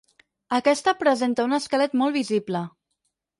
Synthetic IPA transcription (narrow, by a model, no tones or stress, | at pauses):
əkɛst̪əpɾəzent̪əunəskəlɛt̪mɔlˠβiziblə